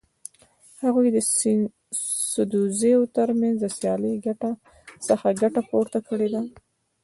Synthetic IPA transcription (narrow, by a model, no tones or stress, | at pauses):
haɣujd̪ə | sʊd̪uzeot̪əɾmanzd̪əsjɑləjɡaʈa | səxaɡaʈapoɾt̪akəɽed̪a